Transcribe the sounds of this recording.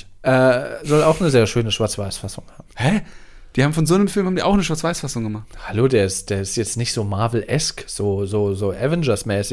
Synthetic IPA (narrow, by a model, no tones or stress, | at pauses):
ʔɛːzɔlaʊxnəzeːɐʃøːnəʃv̥aɐt͡sv̥aɪsfasʊŋhaːbm̩hɛd̥iːhaːbm̩fɔnzoːnəmfɪlmhabm̩diːʔa̰ʊxnəʃ̬vaɐt͡sv̥aɪsfasʊŋɡəmaχthaloːdeːɐɪstd̥eːɐɪstjɛt͡stnɪçtz̥oːmaɐvl̩ʔɛskz̥oːzoːzoːʔɛvɛnd͡ʒɐsmɛːsɪ